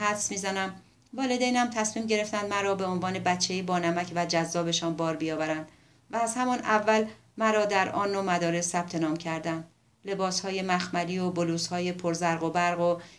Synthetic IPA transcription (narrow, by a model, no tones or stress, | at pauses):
hæfsmiːzænæm | vɒːle̞d̪ejnæmt̪ʰæsmiːmɟe̞ɾe̞ft̪ænd̪mæɾɒːbe̞onvɒːne̞bæt͡ʃʰːejebɒːnæmæcʰvæd͡ʒæzːɒːbe̞ʃɒːnbɒːɾbijɒːvæɾænd̪̥ | væːzhæmɒnævːæl | mæɾɒːd̪æɾɒ̰ːnːomæd̪ɒːɾe̞sːæb̥̚t̪ʰe̞nɒːmcʰæɾd̪ænd̪ | le̞bɒːshɒːjemæxmæliːoboluːshɒːjepʰoɾzæɾɣo̞bæɾɣo